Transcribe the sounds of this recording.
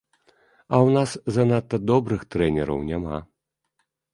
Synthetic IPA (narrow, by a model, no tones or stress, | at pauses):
ɐwnaszɐnat̪ːɐd̪ɔbɾɨxt̪ɾɛnʲɛɾɐ̰wnʲama̰